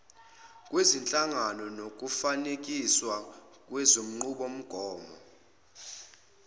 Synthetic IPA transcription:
kʼwezint͡ɬʼaŋanɔnok̬ʼufanek̬ʼiswa | k̬ʼwɛzom̩ŋ͡ǃuɓom̩ɡ̥ʱɔːmɔ̰

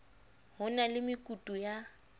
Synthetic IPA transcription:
hʊnalɪmɪkʼutʼuja

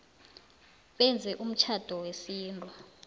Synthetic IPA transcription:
ɓɛnd͡zʱɛʔum̩t͡ʃʰad̥ʱɔwesiːndʱʼɔ

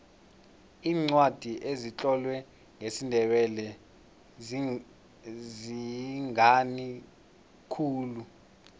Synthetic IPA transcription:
iːŋ͡ǀwad̥ʱiʔezit͡ɬʼɔlwɛ | ŋesindʱɛɓɛlɛ | ziŋani | kʰuːlu

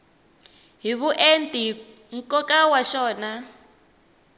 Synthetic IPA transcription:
ɦiβuʔentʼi | ŋ̩kʼɔkʼawaʃɔːna

